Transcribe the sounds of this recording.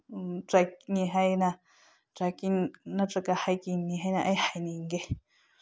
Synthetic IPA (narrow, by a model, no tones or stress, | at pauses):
ʈ͡ʂaɲĩɦəjnã | ʈ͡ʂakinãʈ͡ʂakahajkiɲĩɦə̃nãʔəjhajnĩŋɡe